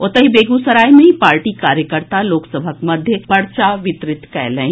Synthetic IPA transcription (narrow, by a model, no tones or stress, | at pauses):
ot̪ɐɦibeːɡusɐɾaːimẽɦĩpaːɾʈikaːɾjəkəɾt̪aloːksəbʱəkmɐd̪ʱjəpɐɽt͡ʃaʋɪt̪ɾɪt̪kɛːlə̃ĩ